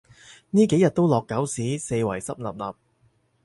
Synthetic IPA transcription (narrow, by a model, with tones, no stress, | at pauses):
niː˥ke˨˥jɐ˨t̚t̪o˥wlɔː˨kːɐ˨˥wsiː˨˥se˧jwɐ˨˩jsɐ˥p̚lɐ˨p̚lɐː˨p̚